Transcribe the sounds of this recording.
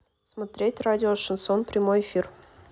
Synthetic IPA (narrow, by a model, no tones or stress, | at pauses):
smot̪ɾʲetʲradʲɪoʂonsonprʲɪmojefʲir